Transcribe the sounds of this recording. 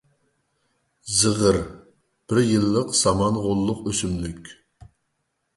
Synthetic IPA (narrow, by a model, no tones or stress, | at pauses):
zɨʁəɾ | b̥ɪɾjɨlˠːəqsɑmɑnʁolˠːʊqøsymlykʲ